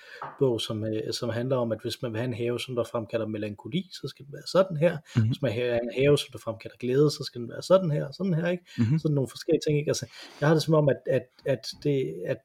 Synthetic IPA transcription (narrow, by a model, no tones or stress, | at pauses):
b̥ɔʊ̰sɒ̽msɒ̽mɦænlɐɒ̽mæd̥ʋe̝smænʋe̝hæe̝nɦɛːʊsɒ̽mn̩d̥ɑfʁamkʰæl̰ɐme̝læŋkʰo̝lḭːsɒ̽sɡ̥æd̥eʋæːɐsɒ̽d̥n̩ɦæɐ̰ʋe̝smænɦæenɦɛːʊsɒ̽md̥ɑfʁamkʰæl̥ɐɡ̥leːð̞ˠəsɒ̽sɡ̥æd̥en̩ʋæːɐsɒ̽d̥n̩hæɐ̰sɒ̽d̥n̩æɐ̰eɡ̥sɒ̽d̥eno̝ːn̩fɒ̽sɡ̥el̰it͡sʰe̝ŋe̝ɡ̥ælsəj̥ɑ̈hɑ̈d̥e̝sɒmɒ̽mæd̥æd̥æd̥ːe̝æd̥